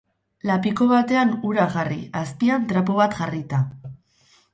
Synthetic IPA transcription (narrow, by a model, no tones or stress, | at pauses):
lapiko̞βat̪e̞anuɾaɣarḭaspiant̪ɾap̬oβat̪ʝarit̪a